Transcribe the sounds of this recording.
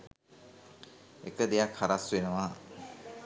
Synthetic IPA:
ḛkəd̪ejakʰːaɾaswenəʋa

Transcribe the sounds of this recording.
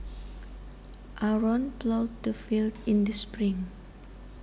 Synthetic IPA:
ʔaɹɔ̃nplowd̚dəfildĩndəspɹĩŋ

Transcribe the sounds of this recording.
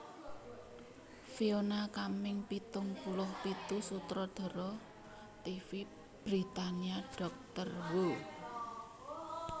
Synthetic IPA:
fionakamɪŋpit̪ʊŋpulʊhpit̪usut̪ɾɔd̪̥ɔ̤ɾɔ | t̪ifi | b̥ɾit̪aniaɖ̥ɔ̤k̚t̪ərwo

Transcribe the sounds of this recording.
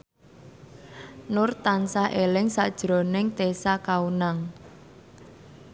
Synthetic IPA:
nʊrt̪ansaʔelɪŋsa̰ʔd̥ʒ̥ɾɔ̤nɪŋt̪esakaunaŋ

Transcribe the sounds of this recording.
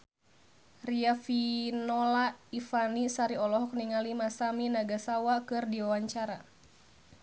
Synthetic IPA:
riafinɔlaifanisaɾiɔlɔɦɔk̚niŋalimasaminaɡasawakɨrdiwawaɲt͡ʃaɾa

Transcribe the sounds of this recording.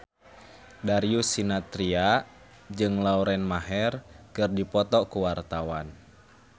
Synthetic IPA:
daɾiusinat̪ɾia | d͡ʒɨŋlauɾɛnmaɦɛrkɨrdipɔt̪ɔkuwart̪awan

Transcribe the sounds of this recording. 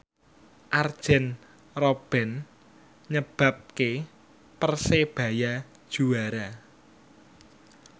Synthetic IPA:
ʔard̥ʒ̥ɛn | rob̥ɛ̤n | ɲəb̥a̤p̚ke | pərseb̥ä̤jad̥ʒ̥uaɾa

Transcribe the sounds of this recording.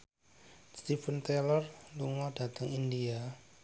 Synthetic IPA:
st̪ifənt̪elɔrluŋɔd̥a̤t̪əŋindia

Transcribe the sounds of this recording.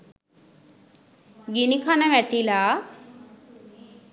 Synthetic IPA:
ɡinikʰanɛʋɛʈila

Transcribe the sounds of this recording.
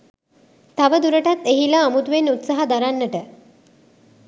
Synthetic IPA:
t̪aʋəd̪uɾəʈat̪eɦilaːmut̪uʋenut̪saɦad̪aɾanːəʈə

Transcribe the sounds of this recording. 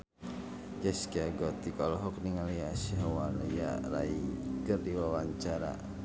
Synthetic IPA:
d͡ʒɛskiaɡɔt̪ikɔlɦɔk̚niŋaljasiɦawalja̰ɾa̰iɡərdiwawaɲt͡ʃaɾa̰

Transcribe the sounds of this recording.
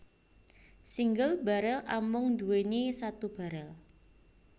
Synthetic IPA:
siŋɡəlba̤ɾəlʔamʊŋd̪ṳwenisat̪ub̥a̤ɾəl

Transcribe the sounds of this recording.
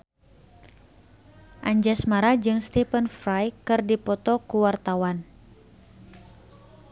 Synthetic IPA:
ʔaɲd͡ʒasmaɾad͡ʒɨŋst̪ifənfɾajkɨrdipɔt̪ɔkuwart̪awan

